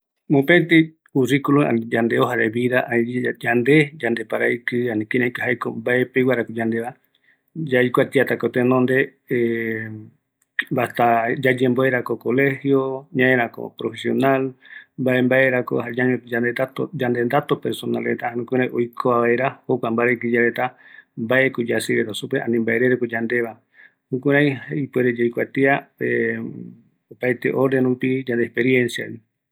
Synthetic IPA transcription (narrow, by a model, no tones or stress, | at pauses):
mõpet̪i | uɾikulua̰nid͡ʒand̪eoɦaɾeβiðaʔaĩd͡ʒd͡ʒand̪ed͡ʒand̪epaɾajkɨanĩkiɾẽikɨɦajko̰mbaepewaɾakod͡ʒand̪eβa | d͡ʒaikʷat̪iat̪akot̪enõnd̪e | e | bat̪ad͡ʒad͡ʒẽmboeɾakokolehjoɲãẽɾako̰pɾofesjo̰nalmbaembaeɾako̰ɦad͡ʒaŋed͡ʒand̪ed̪at̪od͡ʒand̪e̞nd̪at̪opeɾso̞nalḛt̪ahanũkeɾãj̃ʔojkʰoβaβaeɾahokʷambaɾekid͡ʒaɾe̞t̪ambaʔekud͡ʒasiɾet̪asupe̞ʔa̰nĩmbaeɾeɾekod͡ʒand̪e̞βa | hũkuɾãj̃ipueɾed͡ʒajkʷat̪iae | opajt̪ḛʔoɾd̪enɾupid͡ʒand̪eespe̞ɾjensja̰i